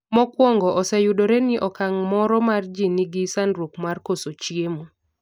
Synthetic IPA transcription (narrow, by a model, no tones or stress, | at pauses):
mɔkwɔŋɡɔʔɔsɛjudoɾɛnɪʔɔkaŋmɔɾɔmard͡ʒinɪɡisanɾukmarkosot͡ʃjemu